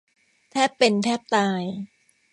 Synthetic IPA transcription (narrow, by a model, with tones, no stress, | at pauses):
t̪ʰɛː˥˩pːe˧nt̪ʰɛː˥˩p̚t̪aː˧j